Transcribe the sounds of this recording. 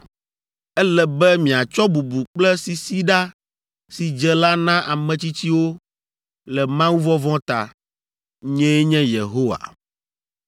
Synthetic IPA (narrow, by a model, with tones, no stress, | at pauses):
ɛ˦lɛ˨bɛ˦mĩ˨a˨t͡ʃɔ˦bu˨bu˨k͡plɛ˦si˨si˦ɖa˦ | si˨d͡ʒɛ˦la˦nã˦ʔa˨mɛ̃˨t͡ɕi˦t͡ɕi˦wo˦ | lɛ˨mã˦wu˦vɔ˦vɔ̃˦t̪a̰˨ | ɲɛ̃˦e˦ɲɛ̃˦je˨ɦo˦wa̰˨